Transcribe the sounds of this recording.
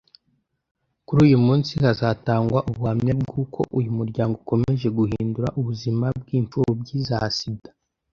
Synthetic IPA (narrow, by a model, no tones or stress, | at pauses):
kuɾuːjumuːnsihazataːŋɡwaʔubuhamɲabɡukʰo̞̰ʔujumuɾɟaːŋɡoko̞me̞ʒe̞ɡuhḭːnduɾaʔuβuzimab̚ɡiːɱfuɾubɟiza̰sidḁ